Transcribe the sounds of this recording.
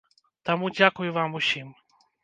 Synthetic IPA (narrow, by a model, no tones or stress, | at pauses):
t̪amud͡ʑakujvamuɕim